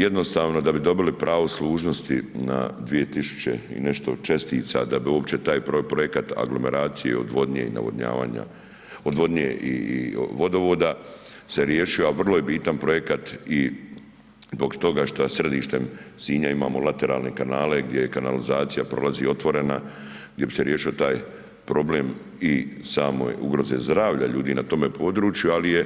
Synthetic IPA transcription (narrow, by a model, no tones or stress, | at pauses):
jed̪no̞st̪aːʋno̞d̪abid̪o̞bilipɾʔaːʋoslˠuːʒno̞st̪ina̰d̪ʋije̞t̪isu̥t͡ɕe̞̰ḭne̞ʃt̪o̞t͡ʃest̪iːt̪sa̰d̪abiuopt͡ɕe̞t̪aːjppɾo̞jekat̪a̰ɡlo̞me̞ɾaːt̪sijḛod̪ʋo̞d̪ɲḛḭna̰ʋod̪ɲa̰ːʋa̰ːɲa̰ | od̪ʋo̞d̪ɲḛʔiiʋo̞d̪o̞ʋod̪a | se̞ɾje̞ʃijoaʋr̩lojebiːt̪anpɾo̞je̞kat̪i | zbo̞kt̪o̞ɡaʃt̪asred̪iːʃt̪e̞msiːɲaima̰ːmo̞lˠat̪e̞ɾa̰ːlˠne̞kanaːle̞ɡd̪jejkana̰lizaːt̪sijapɾo̞̰lazio̞t̪ʋo̞ɾe̞naɡd̪je̞bise̞ɾje̞ːʃio̞t̪aːj | pɾo̞bleːm | isaːmo̰juɡɾo̞zezd̪ɾaːʋʎaʎuːd̪iːnat̪o̞me̞pʰo̞ːd̪ɾuːt͡ʃjualije